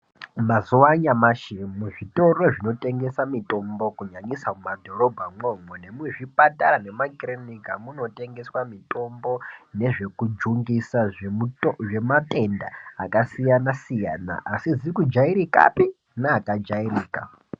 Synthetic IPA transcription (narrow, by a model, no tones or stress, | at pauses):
mazuwaɲamaʃimuʐito̞roʐino̞te̞ŋɡe̞samito̞mbo̞kuɲaɲisamumadʱo̞ro̞bʱamomwene̞muweʐipatʼarane̞makironikamuno̞te̞ŋɡe̞swamitʼo̞mbo̞ne̞ʐe̞kud͡ʒuŋɡisaʐuʐe̞matʼe̞ndaakasijanasija̰ːna̰ʔasid͡zikud͡ʒaiɾika̰pi | naːkad͡ʒairiːka̰